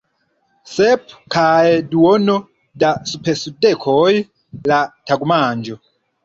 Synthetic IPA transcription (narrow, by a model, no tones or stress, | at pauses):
sɛpʰkʰaɛduwɔnɔ | dasupʰɛsudɛkʰɔji | latʰaɡumaːnd͡ʒɔ